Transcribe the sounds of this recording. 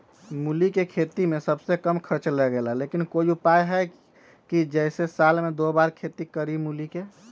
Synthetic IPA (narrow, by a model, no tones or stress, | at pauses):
mulikekʰet̪imesəbsekəmkʰəɾt͡ʃlɛɡelalekinkojupajɦɛ | kid͡ʒɛjsesalmed̪obaɾkʰet̪ikəɾimulike